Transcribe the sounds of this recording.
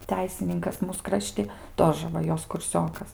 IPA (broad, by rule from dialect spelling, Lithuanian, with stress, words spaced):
ˈtʲɛɪsʲɪnʲɪŋkɐs ˈmuːs ˈkrɑːʃʲtʲɪ ˈtoːʒə ʋɐ ˈjoːs kʊrʲˈsʲoːkɐs